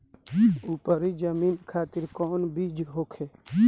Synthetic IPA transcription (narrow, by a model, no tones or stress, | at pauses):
uːpəɾid͡ʒəmiːnkʰaːt̪iɾkɔːnbiːd͡ʒɦoːkʰeː